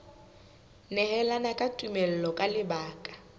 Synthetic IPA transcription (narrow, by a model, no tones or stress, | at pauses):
nɛhɛlanakʼatʼumɛl̩lɔkʼalɪbaːkʼḁ